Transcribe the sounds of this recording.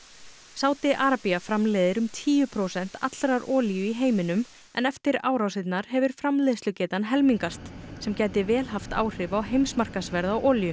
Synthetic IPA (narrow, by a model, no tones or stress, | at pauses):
saːwt̪ɪʔaːɾapiafɾamlɛːðɪɾʏmt̪ʰiːjʏpʰɾoːwsɛn̥t̪ʰa̰t̪lɾaɾɔːljʏiɦeːjmɪnʏm | ɛ̰nɛft̪ɪɾa̰ːwɾawsɪt̪naɾ̥ɦɛvʏɾ̥fɾamlɛːðst̪ʏcɛːt̪anɦɛlmiŋkast̪sɛmcaːjt̪ɪvɛːlɦaft̪a̰ːwr̥ɪvawɦejmsmar̥kasvɛɾðawʔɔːljʏ